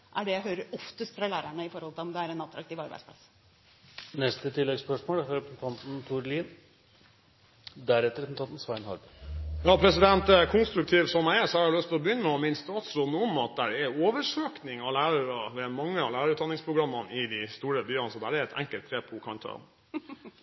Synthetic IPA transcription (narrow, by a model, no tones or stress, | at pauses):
ʔæɖɛjæɪɦøːɾəɾɔft̪əst̪fɾɑlæːɾæɳəɪfɔɾhɔlt̪ɪlɔmd̪ɛæɾɛnɑt̪ʰɾɑk̚t̪iːʋɑɾbæ̰ɪspʰlɑ̰sː | nɛst̪ət̪ʰɪlːɛɡspœʂmoːlæɾɑɾɛpɛsn̩t̪ʰɑnt̪n̩t̪ʰʊɾliːn | d̪æɾɛt̪ːəɾɛs̩t̪ɑːt̪n̩sʋɑɪnhɑ̰ɾb | jɑːpʰɾɛs̬ɪd̪ɛnt̪ɛkʰʊnst̪ɾʉk̚t̪ʰiːʋsɔmæɪɛʂɔhɑɾɑlœst̪ʰɪlɔbəjʏnːəmɛɔmɪnst̪ɑːt̪sɾoːd̪nəɔmːɑt̪̚d̪æɾɛɾoːʋəʂøːknɪŋɑʋlæːɾəɾɑʋɛmɑŋːəɑlæɪɾɑɾʉt̪ɑnɪŋspʰɾʊɡɾɑmːənɪd̪ɪst̪uːɾəbyːɑnsɔd̪æɾɛɾɛt̪ʰɛ̰ŋkəlt̪ʰːɾeːd̪pʰɔkʰɑnt̪ʰɑ̰ː